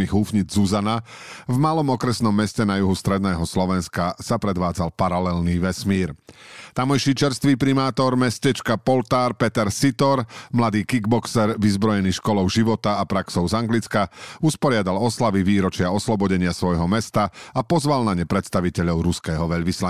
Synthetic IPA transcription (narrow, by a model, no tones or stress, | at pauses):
iɣɦuːfɲid͡zzuzana | vmalɔmɔkɾɛsnɔmːɛscɛnajuɦust̪ɾɛd̪nɛːɦɔslɔʋɛnskasapɾɛd̪ʋaːd͡zalpaɾalɛlniːʋɛsmiːɾt̪amɔjʃit͡ʃɛɾst̪ʋiːpɾimaːt̪ɔɾmɛscɛt͡ʃkapɔlt̪aːɾpɛt̪ɛɾsit̪ɔɾmlad̪iːkiɡ̚bɔksɛɾʋizbɾɔjɛniʃkɔlɔʊʒiʋɔt̪aːpɾaksɔʊzaŋɡlit͡skauspɔɾɪad̪alɔslaʋiʋiːɾɔt͡ʃɪaɔslɔbɔɟɛɲɪasʋɔjɦɔmɛst̪aapɔzʋalnaɲɛpɾɛt̪st̪aʋicɛʎɔʊɾuskɛːɦɔʋɛʎʋisla